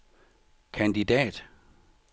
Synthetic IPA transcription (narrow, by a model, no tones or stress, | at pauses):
kʰænd̥id̥ɛ̰ːd̥